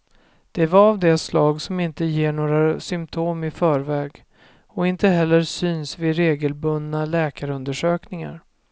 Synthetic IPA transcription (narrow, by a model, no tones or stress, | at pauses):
d̪̥ɛvaɾavd̪ɛslɑːɡsɔmɪnt̪əjeːɳoːɾasʏmt̪ʰoːmɪfœːɾvɛːɡ | ɔɪnt̪əɦɛlːəɾsyːnsvɪɾeːɡəlbɵnd̪alɛːkaɾɵnd̪əʂøːknɪŋa̰ɾ